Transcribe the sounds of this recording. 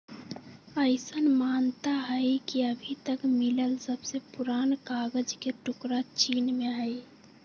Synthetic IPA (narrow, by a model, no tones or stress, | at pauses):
əɪsənmaːnt̪aɦəjkiəbʱit̪əkmiləlsəbsepuɾaːnkaɡəd͡ʒkeʈʊkɾat͡ʃinmeəj